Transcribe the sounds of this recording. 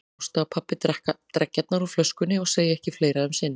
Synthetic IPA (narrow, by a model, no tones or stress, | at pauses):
st̪aːpʰapːɪt̪ɛht̪ɾɛcːat̪naɾuflœskʏnːɪɔɣseːjɪɛhcɪfleːjɾaðʏmsɪnːɪ